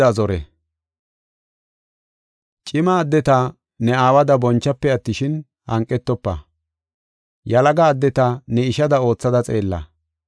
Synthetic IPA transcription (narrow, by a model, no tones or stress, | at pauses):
ɐzɔɾɛ̰ | t͡ʃʼɪmaːd̪ːɛt̪ɐ | nɛaːwɐd̪ɐbɔnt͡ʃːɐpːɛɐt̪ːɪʃɪn | hɐŋkʼːɛt̪ːɔpːɐ̰ | jɐlɐɡɐːd̪ːɛt̪ɐnɛɪʃɐd̪ɐo̞ːt͡sːɐd̪ɐt͡sʼe̞ːlːɐ̰